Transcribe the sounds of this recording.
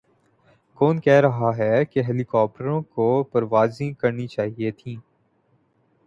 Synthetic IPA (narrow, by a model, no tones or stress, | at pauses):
kɔːnkɛɦɾɐɦaɦɛkeɦɛːlɪkɔːp̚ʈəɾõkopɐɾʋaːzĩkɐɾnit͡ʃaːɦiet̪ʰĩː